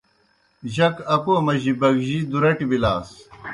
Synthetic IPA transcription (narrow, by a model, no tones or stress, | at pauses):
ʑɐkɐkoːmɐʑibɐɡʑid̪uɾɐʈibilaːs